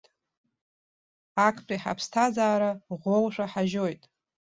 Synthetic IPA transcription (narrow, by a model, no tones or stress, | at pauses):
akʰpʰʼriħa̰pʰstʰazaːɾaʁʷolʂʷaħaʒo̞jtʼ